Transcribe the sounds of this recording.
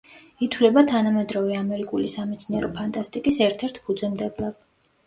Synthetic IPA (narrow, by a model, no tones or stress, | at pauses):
it̪ʰwlɛbat̪ʰanamɛd̪ɾɔvɛamɛɾikʼulisamɛt̪sʰniɛɾɔpʰant̪ʼast̪ʼikʼisɛɾt̪ʰɛɾt̪ʰpʰud̪zɛmd̪ɛblˠav